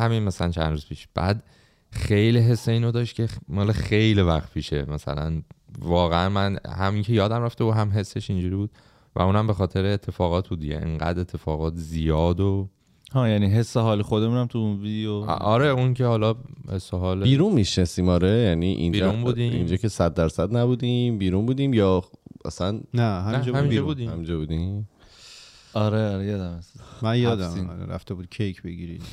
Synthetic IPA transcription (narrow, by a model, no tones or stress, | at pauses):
hæminmæsælænt͡ʃʰæ̰nd̪ɾuːz̥pʰiːʃb̥æ̰ːd̪ | xejliɦe̞sːeiːnod̪ɒːʃt̪kʲʰe̞mɒːlexejlivæxt̪̚pʰiːʃḛmæsæ̰læ̰nvɒːɣeænmænhæmiŋcʰe̞jɒːd̪æmɾæft̪ebuːɦæmɦe̞sːe̞ʃind͡ʒuːɾiːbuːd̪̥ | væ̰ũːnæmbe̞xɒːt̪ʰe̞ɾeːt̪ʰːe̞fɒːɣɒːt̪̚ʰbuːd̪ḭjɟḛʔḛŋɢæ̰d̪e̞t̪ʰːe̞fɒːɣɒːt̪ʰzijɒːd̪o | hɒːjæniːɦesːeɦɒːlexod̪emũnæmt̪ʰunvid̪eo̰ɒɾeuŋkʰehɒlɒhesːeɦɒːlbiːɾunmiʃnesiːmɒːɾejæniːʔḭnd͡ʒnbuːd̪iḭnd͡ʒɒːcʰe̞sæd̪̚ːæɾsæd̪næbuːd̪imbiːɾuːnbuːd̪iːmjɒːʔæ̰sænnæɦæmd͡ʒɔhæmind͡ʒbud̪ihæmind͡ʒɒːbuːd̪im | ɒɾeɒɾejɒːd̪æmesmænjɒːd̪mḭḛɾæ̰ft̪ebuːd̪̥̚cʰejkʰbeɡiɾḭ